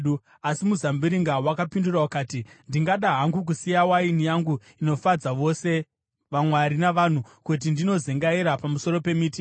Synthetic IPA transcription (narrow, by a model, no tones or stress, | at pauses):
asimuzambiɾiŋɡawakapindurawakaːtindiŋɡaɗaɦaŋɡuk̬usijawainijaŋɡu | ino̞fad͡zaʋo̞se̞ | ʋamwaɾinaʋan̤ukut̬indinozeŋɡaiɾapamuso̞ɾo̞pe̞miːti